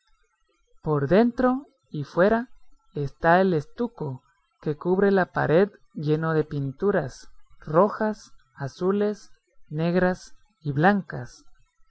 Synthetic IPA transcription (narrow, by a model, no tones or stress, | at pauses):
po̞ɾðe̞nt̪ɾo̞ | ifwe̞ɾa | est̪ae̞le̞st̪uko | ke̞kuβɾe̞lapa̰ɾe̞ð | ʝe̞no̞ðe̞pint̪uɾasro̞xas | asule̞s | ne̞ɣɾas | iβlaŋkas